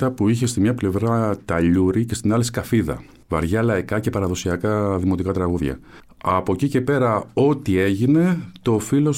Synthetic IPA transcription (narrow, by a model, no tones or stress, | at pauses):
ɐpuiçe̞st̪imɲɐple̞vɾɐt̪ɐʎuɾicest̪inɐlisi̥kɐfiðɐ̰ | vɐ̰ɾʝɐlɐikɐce̞pɐɾɐðo̞siɐkɐðimo̞t̪ikɐt̪ɾɐɣuðʝɐ̰ | ɐpo̞cice̞pe̞ɾɐo̞t̪ie̞ʝine̞t̪o̞filo̞s